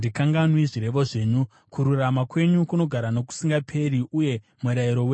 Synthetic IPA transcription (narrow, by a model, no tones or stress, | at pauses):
dikaŋɡanwiʐiɾe̞ʋo̞ʐe̞ːɲu | kuɾuramakwe̞ɲukuno̞ɡʱaɾano̞ku̥siŋɡapʰe̞ɾiuje̞ | mweɾaiɾo̞weɲ